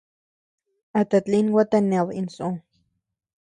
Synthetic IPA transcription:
at̪at͡ɬinwat̪anewinso

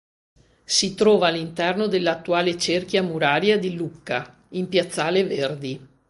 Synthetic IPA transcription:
sit̪ɾɔːvaːlːint̪ɛrnod̪elːat̪ːuaːlet͡ʃerkjamuɾaːɾjad̪ilukːa | impjat̪sːaːleverd̪i

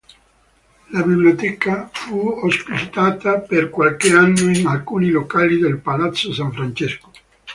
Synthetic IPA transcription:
labiblijot̪ɛːkafuospit͡ʃit̪aːt̪aperkwalkeanːoinalkuːnilokaːlid̪elpalat̪sːosaɱfɾant͡ʃesko̥

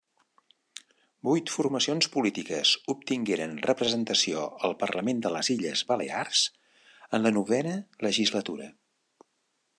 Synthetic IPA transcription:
bujt̪furməsionspulit̪ikəzup̚t̪iŋɡeɾənrəpɾəzənt̪əsioəlˠpərləmend̪ələziʎəzβəlḛarz̥ | ənlənuβ̞ɛnələʒizlət̪uɾə

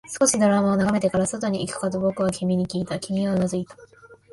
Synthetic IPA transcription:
sɨ̥ko̞ɕid̪o̞ɾamao̞naɡame̞t̪e̞kaɾaso̞t̪o̞ɲ̟iʔːkɯ̟̥kad̪obo̞kɯ̟βakʲimʲiɲ̟ikʲiːt̪akʲimʲiβanazɨit̪ḁ

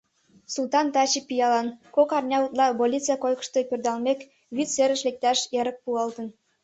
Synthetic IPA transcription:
sulˠt̪ɑnt̪ɑt͡ɕipijɑlɑnkokɑrnʲɑut̪lˠɑbolʲit͡sɨjɑkojkə̥̆ʃt̪epʲørd̪ɑlmʲek | βyt͡seɾə̆ʃlek̚t̪ɑʃjeɾə̆k̚puɑlt̪ə̆n

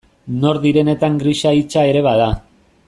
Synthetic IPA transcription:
no̞ɾðiɾe̞ne̞t̪aŋɡɾiʃait͡ʃae̞ɾe̞βaða

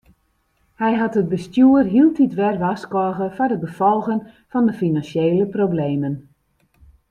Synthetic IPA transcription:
hɛjɦɑtɦət̚bəstjuərɦilˠtitʋɛrʋaskɔɣəfɔrdəbəfɔlˠɣən | fɔndəfinansjeːləprowbleːmən

